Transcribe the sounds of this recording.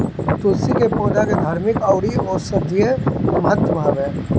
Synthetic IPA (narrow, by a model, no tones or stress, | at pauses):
t̪oːlsikepoːd͡ʒaked̪ʱaːɾmɪkaʊɽiɔːɾsəd̪ʱiəmət̪bʱaːbɛ̃ː